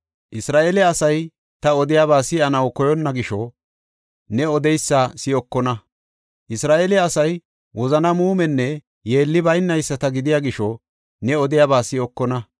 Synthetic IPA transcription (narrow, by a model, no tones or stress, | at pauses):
ʔɪsɾaːʔelɛɐsɐj | t̪ɐɔd̪ɪjaːβaːsɪɐnɐwkɔjɔnːɐɡɪʃɔ | nɛɔd̪ɛjsːasɪɔkːɔnɐ | ʔɪsɾaːʔelɛɐsɐj | wɔzɐnɐmuːmɛnːɛ | je̞ːlːɪbɐjnːɐjsːɐt̪ɐɡɪd̪ɪjaːɡɪʃɔ | nɛɔd̪ɪjaːbaːsɪɔkːɔnɐ